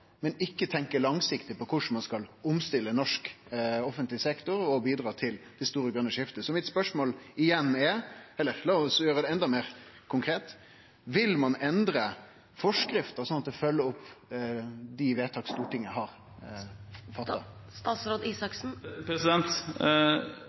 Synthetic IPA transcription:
mɛnɪkːət̪ʰɛŋkəlɑŋsɪkt̪ɪpɔkʰʊʂɳ̩mɑnskɑlʊmst̪ɪlːənɔʂkɔfənt̪lɪsɛkt̪ʊɾɔbiːd̪ɾɑːt̪ʰɪld̪̥ɛst̪uːɾəɡɾʉnːəʂɪft̪əsɔmɪt̪spœʂmoːlɪjɛnːɛɛlːəɾlɑːɔsjøːɾəd̪ɛɛnd̪ɑmeːʁkʰʊŋkʰɾeːt̪ | ʋɪlmɑnɛnd̪ɾə | fɔʂkɾɪft̪əsɔnɑt̪ɛfœlːəʊpː | d̪ɪʋeːt̪ʰɑːkst̪uːʈɪŋːəəɦɑɾ | fɑt̪ːɑt̪ɑːsɾoːd̪iːsɑksn̩pɾɛsɪd̪ɛnt̪

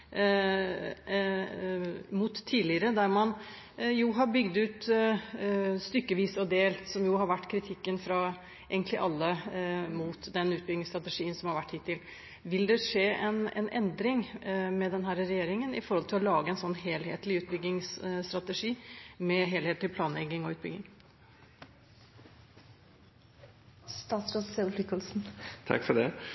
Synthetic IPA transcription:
mʊt̪ʰːiːlɪəɾəd̪æɾmɑn | juːɦɑɾbʏɡd̪ʉːt̪ | st̪ʏkːəʋiːsɑd̪eːlsɔmjʊɦɑɾʋæʈːkʰɾɪt̪ʰɪkːənfɾɑ | eːɡənt̪lɪ̰ʔɑlːəmuːt̪d̪ɛnʉːt̪̚bʏɡɪŋst̪ɾɑt̪əʂiːənsɔmhɑɾʋæʈːhɪt̪ʰːɪl | ʋɪld̪ɛʂeːʔɛnɛ̰nʔɛ̰nd̪ɾɪŋmɛd̪ɛnɦæːɾəɾɛjeːɾɪŋənɪ̰fɔɾhɔlt̪ʰɪlɔlɑːɡəɛnsɔnːɦeːlheːt̪lɪʉːt̪̚bʏɡɪŋsst̪ɾɑt̪əʂiːmɛɦeːleːt̪ɪlpʰlɑːnlɛɡːɪŋɔʉːt̪̚bʏ̰ɡɪ̰ŋ | st̪ɑːt̪sɾosselflʏkːɔlsn̩t̪ʰɑ̰kfɔɖɛ

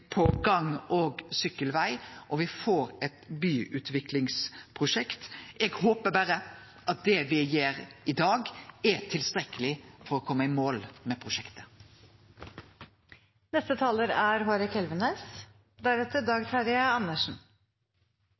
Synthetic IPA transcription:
pʰɔɡɑŋɔɡsʏkːəlʋæɪʔɔʋɪfoːɾɛt̪byːʔʉːt̪ʋɪklɪŋspʰɾʊʃɛkt̪ɛɡhoːpəbæɾə | ʔɑt̪̚d̪ɛʋɪjeːɾɪd̪ɑːɡɛt̪ʰɪlst̪ɾɛkəlɪfɔɾɔkʰɔmːəɪmoːlmɛpʰɾʊʃɛkt̪ə̥ | nɛst̪ət̪ʰɑːləɾæɾɦoːɾəkʰɛlʋəneːs | d̪æɾɛt̪əɖɑːɡt̪ʰɑɾɪəɑnːəʂn̩

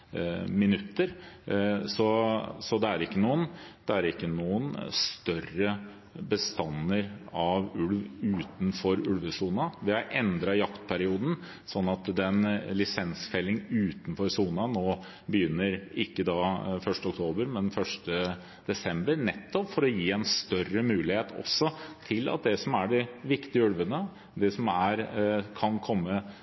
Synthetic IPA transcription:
mɪnʉt̪ːəɾ | sɔsɔd̪ɛæɾɪkːənuːənd̪̥ɛæɾɪkːənuːənst̪œrə | bəst̪ɑnːəɾɑʋʉlʋʉːt̪n̩fɔɾʉlʋəsuːnɑʋɪɑʔɛnd̪ɾɑjɑkt̪̚pʰæɾɪuːd̪n̩ | sɔnːɑt̪d̪ɛnlɪsɛnsfɛlːɪŋʉːt̪n̩fɔɾsuːnɑnoː | bəjʏnːəɾɪkːəd̪ɑfœʂʈəɔkt̪ʰoːbəɾmɛnfœʂʈə | d̪̥ɛsɛmbəɾnɛt̪ːɔpfɔɾɔjiːɛnst̪œrəmʉːlɪheːt̪ʰɔ̰sːɔt̪ʰɪlɑ̰t̪̚d̪ɛsɔmæɖɪʋɪkt̪ɪəʉlʋənə | d̪ɛsɔmæɾkʰɑnkʰɔmːə

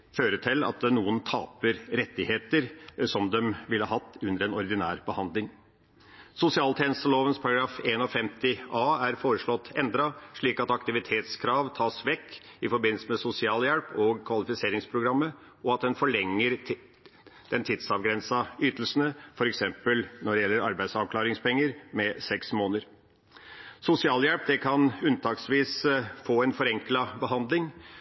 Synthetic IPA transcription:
føːɾət̪ʰɪlɑ̰t̪nuːənt̪ʰɑ̰ːpəɾɾɛt̪ːɪheːt̪əɾsɔmd̪ɛmʋɪləhɑːɦɑt̪ːʉnd̪əɾɛnɔɾd̪ɪnæ̰ːɾb̥əhɑnd̪lɪŋ | sʊsɪɑːlt̪ʰeːnəst̪əloːʋənspʰɑɾɑɡɾɑːfeːnɔfɛmt̪ɪʔɑːæɾfoːɾəʂɭɔt̪ːɛnd̪ɾɑʂɭiːkɑt̪ɑkt̪ɪʋɪt̪ʰeːt̪skʰɾɑːʋt̪ʰɑːsʋɛkːɪfɔɾbɪnl̩səmɛsʊsɪɑːljɛlpʰɔɡkʰʋɑlɪfɪseːɾɪŋspʰɾʊɡɾɑmːə | ɔɑt̪̚d̪ɛnfɔɭɛŋːəɾ | d̪̥ɛnt̪ʰɪd̪sɑʋɡɾɛnsɑyːt̪əlsənəfɔɾɛksɛmpəlnɔɖɛjɛlːəɾɑ̰ɾbæɪd̪sɑʋkʰlɑːɾɪŋspʰɛŋːəɾmɛsɛksmoːnəɾ | sʊsɪɑːljɛlp̚d̪ɛkʰɑnʉnt̪ʰɑːksʋiːsfoːɛnfɔɾɛŋklɑbəɦɑnd̪lɪŋ

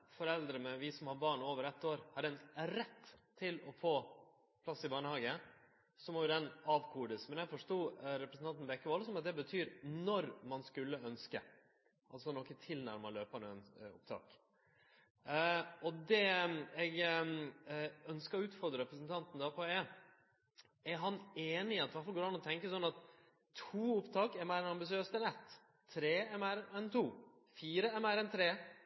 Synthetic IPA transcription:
fɔɾɛld̪ɾəmɛʋɪsɔmhɑbɑːɳoːʋəɾɛt̪ːoːɾhɑɖɛnɾɛt̪ʰː | ɪlɔfoː | pʰlɑsːɪbɑːɳəhɑːɡə | sɔmɔjʊd̪ɛnɑːʋkʰuːɖ̪əsmɛnjɛɡfɔʂʈuːɾɛpɾəsn̩ɑnt̪nbɛkːəʋɔlsɔmɑt̪̚d̪ɛbət̪ʰyːɾnɔɾmɑnskʉlːəœnskə | ʔɑlsɔnɔkːət̪ʰɪlnæ̰ɾmɑløːpɑnɛnʊ̰p̚t̪ʰɑ̰ːk | ɔd̪ɛɛɡ | œnskəɾɔʉːt̪fɔɾd̪ɾəɾɛpɾəs̬nt̪ʰɑnt̪n̩d̪æpʰɔe | ɛɾɦɑneːnɪɑt̪ʋæʈfɑlɡoːɾɑnɔt̪ʰɛŋkəsɔnːɑt̪ʰ | uːʊpt̪ʰɑːkɛɾmæɪɾɛnɑmbɪsɪøːst̪ɛnɛt̪ʰː | ɾeːɛmæɪɾɛnt̪ʰuː | fiːɾəɛmæɪɾɛnt̪ʰɾeː

